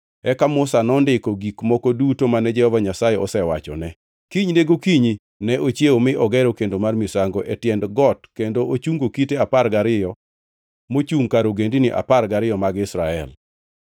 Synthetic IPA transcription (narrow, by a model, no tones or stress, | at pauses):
ɛkamʊsanɔndɪkɔɡikmɔkɔdutomanɛd͡ʒɛhɔvaɲasajɛɔsɛwa̰t͡ʃɔ̰nɛ | kiɲneɡokiɲi | nɛʔot͡ʃjeomɪʔɔɡɛɾokendomarmisaŋɡɔʔɛtjɛndɡɔtkendoʔot͡ʃuŋɡokiteaparɡaɾɪjɔ | mot͡ʃuŋkaɾoɡendinɪʔa̰parɡaɾɪjɔmaɡɪsɾaɛl